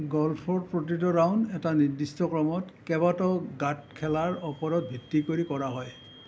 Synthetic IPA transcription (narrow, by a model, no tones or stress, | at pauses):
ɡɔlpʰɔɹdpɹɔtɹitɔɹawnɛtaniɹdistɔkɹɔmɔtkɛbatɔɡatkʰɛlaɹɔpɔɹɔt̚bʱitːikoɹikɔɹaɦɔj